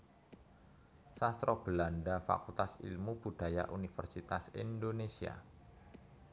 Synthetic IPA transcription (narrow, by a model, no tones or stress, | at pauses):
sast̪ɾob̥əlandafa̰kult̪asḭlmub̥ṳd̥aja̰ʔunifərsit̪asḭndonesia̰